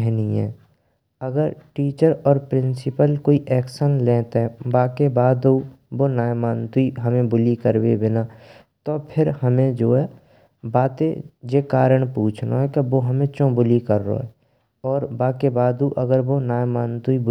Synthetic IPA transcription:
ɛɦniɛ̰̃ː | əɡəɾʈiːt͡ʃəɾɔːɾpɾɪ̃nsɪpəlkoːiʔɛːkʃənlẽːt̪ɦɛbaːkebaːd̪ubonaːjmaːnt̪uiɦəmẽbʊlikəɾbebɪna | t̪opʰɪɾhəmẽd͡ʒoːɛ | baːt̪ẽd͡ʒeːkaːɾəɽ̃puːt͡ʃʰno̰ɦɛkeʋoɦəmẽt͡ʃõːbʊlikəɾːo̰ɦɛ̰ | ɔːɾbaːkebaːd̪uʔəɡəɾʋonaːjmaːnt̪uib

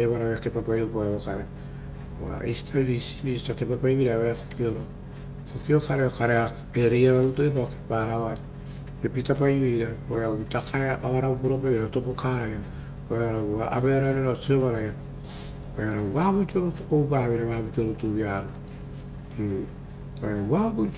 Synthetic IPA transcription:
eβaɾaeatepapajopoeaokaɾea | ua̰isi̥tʰaβisi̥βisitatepapajβiɾaβeakokioɾo | kokiokaɾeokaɾea | eɾejaɾaɾutuepaokepaɾaβai | epitapajβijɾaoaoβitakaeaβaɾabupuɾopaβɾatopokaɾaja | oeaɾauaabeaɾaɾeɾot͡ʃioβaɾaja | oeaɾaaβut͡ʃioβpokowbaβeɾaβaːβut͡ʃioɾutuβiaɾo | oeaabu

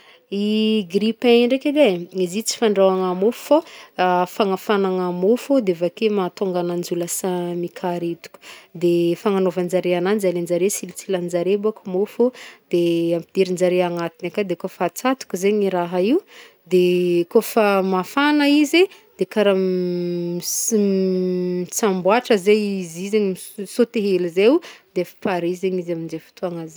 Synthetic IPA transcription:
iɡɾipaɲɳɖ͡ʐeked̪eizit͡si̥faɳɖ͡ʐawaŋamofu̥fo | faŋafanaŋamofod̪evakemat̪oŋɡanand͡ʒulasamikʰaɾet̪u̥kʲu̥d̪efaŋanovand͡ʒaɾeanand͡ʒalend͡ʒaɾesilit͡siland͡ʒaɾebakumofod̪̥eampid̪̥iɾind͡ʒaɾeaŋat̪inakad̪ekofat͡sat̪u̥kuzeɲiɾaɦaiw | d̪ekofamafanaize | d̪̥ekaɾa | it͡sambwaʈ͡ʂəzeizizeɲimsot̪eɦelizewd̪efi̥paɾizeɲizamind͡ʒefi̥t̪ʰuaŋaz

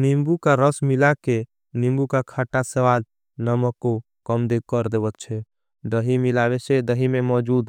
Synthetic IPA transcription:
nimbukaɾəsmilake | nimbukakʰaːʈasəʋaːl | nəməkːo | kəmd̪ekəɾd̪eːbət̪̚t͡ʃʰɛ | d̪əɦimilaːʋet͡ʃʰed̪əɦimẽmɔːd͡ʒuːd̪

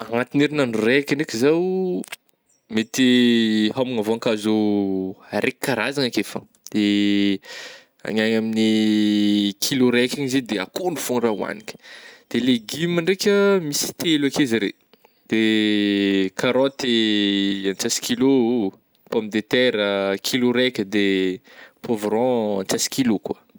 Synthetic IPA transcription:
aŋat̪ineɾinanurekʲaɳekʲizaw | met̪iɦamaŋavoaŋkazu | aɾekkaɾazaŋakefa̰ | d̪̥e | a̰ɲaɲamini | kʰiloɾɛkʲaŋized̪eakonufonrauwa̰nikʲə̥d̪̥eleɡimaɳɖ͡ʐekʲəmisi̥t̪elakizəɾḛ | d̪̥e | kaɾɔ̃t̪e | ant͡sasi̥kilo | pɔmd̪et̪ɛɾəkʰiloɾɛkʲəd̪e | pʰovɾɔ̃ant͡sasi̥kilokwa

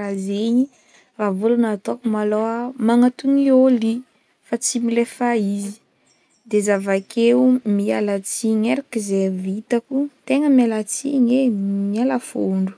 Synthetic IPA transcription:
azeɲi | ravulunat̪okumaloamaŋat̪unioli | fat͡similefaizi̥ | d̪ezavakʰeumialat͡siɲeɾakizevit̪akut̪eŋəmalat͡siɲemialafoɳɖ͡ʐu̥

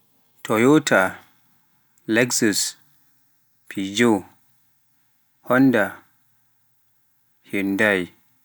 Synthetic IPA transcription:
tʰɔjɔtʰa | lɛksus | pʰid͡ʒo | hɔnda | hindaj

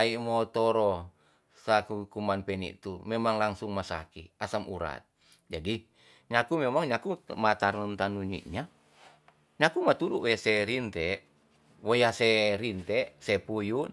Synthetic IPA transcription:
aimot̪ɔɾɔ | sakukumanpɛnḭʔt̪umemaŋlaŋsuŋmasa̰kiasamṵɾa̰t̪̚ | d͡ʒadi | ɲakumemaŋɲakumat̪aɾunt̪anuɲḭʔɲa | ɲakumat̪uɾuwojasɛɾint̪ɛʔ | wojahseɾint̪ɛʔsepuju

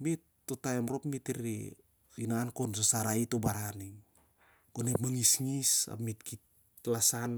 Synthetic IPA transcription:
mitː | otaemɾopmitiɾḭ | inaːnkons̬asaɾaitobaɾaniŋ | konepmaŋisŋisa̰mitkit̚ | lasan

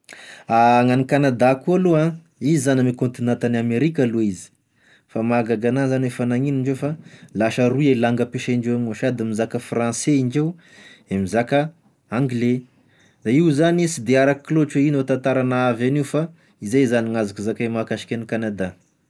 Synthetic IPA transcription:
aŋanikanad̪akualuã | izizanimikont̪inat̪anameɾikaluizi̥ | famaɡaɡanazanefanaŋiniɳɖ͡ʐd͡ʒewfalaʃaɾuelaŋɡəpeʃaiɳɖ͡ʐewamoʃad̪amizakəfrãnseiɳɖ͡ʐew | emizakə | aŋɡle | d̪aiwzanisid̪eaɾakkːlot͡ʃeinot̪ãnt̪aɾanaavaniufa | izejzaniŋazakuzakajmakaʃi̥kʲanikanad̪a

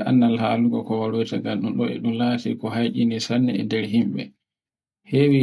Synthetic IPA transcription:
ʔa̰nːalhaluɡɔkɔwaɾojtaɡanɗumɗɔɛ̰ɗumlaːtikɔɦajʔinisanːɛɛ̰ndɛɾɦimɓɛ̰ | hewi

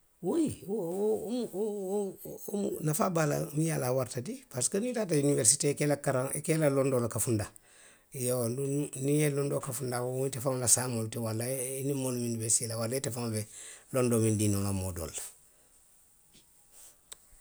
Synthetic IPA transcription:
woi | mu | mṵnafabala̰mijalawaɾtadipaskanitaːtauniveɾsitekelakaɾaŋekelalondolakafunda | jowndunijelondokafundawowutefaŋlasamoltewalːainimoluminiveɾsitelawaletefaŋabelondoːmindinoŋlamodo̰lːḁ

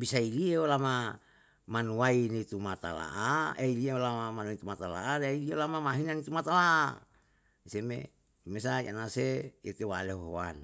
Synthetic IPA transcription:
bisailieolama | manuainit̪umat̪a̰la̰ʔaeilieolamamanunit̪umat̪ala̰ʔaɾeailiolamamaɦinanit̪umat̪alaʔ | isemḛ | imesaiʔanaseet̪ewaleɦoɦo̰a̰n

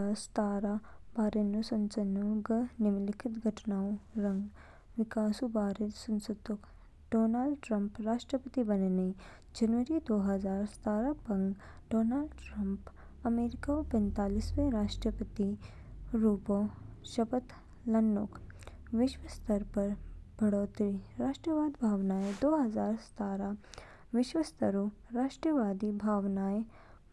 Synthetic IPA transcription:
aɾst̪aːɾabaːɾenosɐnt͡ʃɐnoɡənɪmlɪkʰɪt̪ɡʱɐʈʰnaːõɾɐ̃ŋɡ | ʋɪkaːsubaːɾesɐnsud̪ok | ɖ̥oːnaːlɖʈɾɐmpɾaːʃʈɾəpət̪ibɐnene | d͡ʒɐnʋəɾid̪oːɦɐzaːɾst̪aːɾapɐŋɡɖoːnaːlɖʈɾɐmp | ɐmeːɾɪkaopɛ̃nt̪aːlisweɾaːʃʈɾəpət̪i | ɾuːpõʃɐpət̪ | lɐnːok | ʋɪʃwəst̪ɐɾpɐɾb̥ʱɐɽoːt̪ɾiɾaːʃʈɾəʋaːd̪ibʱaːʋnaːed̪oːɦɐzaːɾst̪aːɾa | ʋɪʃwəst̪əɾo | ɾaːʃʈɾəʋaːd̪ibʱaːʋnaːe

